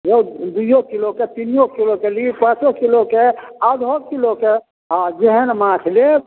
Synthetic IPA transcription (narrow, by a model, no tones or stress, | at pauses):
jewd̪ujokiloket̪injokilokelipãt͡ʃokilokead̪ʱokiloke | ad͡ʒeɦɛnmakʰle